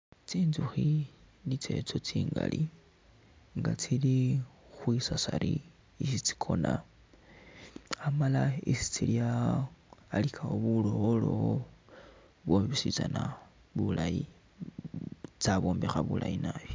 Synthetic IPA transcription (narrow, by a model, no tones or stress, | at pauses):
t͡siːnzuxinit͡se̞̰t͡so̞t͡siːŋɡa̰li | ŋɡat͡silixwisasaɾi | isit͡si̥kʰo̞na | amalaisi̥t͡siljaː | likʰaoβulooloo | βwoβisit͡sana | βulaji | t͡saβo̞ːmbexaβulʔajinajo